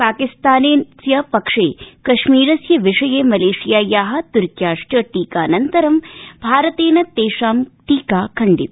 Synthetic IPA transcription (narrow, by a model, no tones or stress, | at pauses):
paːkist̪aːneːsjɐpɐkʂeːkɐʃmiːɾɐsjɐʋiʂɐjeːmɐleːʂijaːjaːɦɐ̆t̪uɾkjaːʂʈɐʈiːkaːnɐnt̪ɐɾɐmbʱaːɾɐt̪eːnɐt̪eːʂaːmʈiːkaːkʰɐɳɖit̪̚